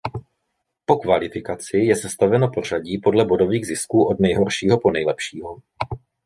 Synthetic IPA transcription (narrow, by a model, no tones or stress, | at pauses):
po̞kvalɪfɪkat͡sɪjɛsɛst̪avɛno̞por̝aɟiːpo̞dlɛbo̞do̞viːɣzɪskuːʔo̞dnɛjɦo̞rʃiːɦo̞po̞nɛjlɛpʃiːɦo̞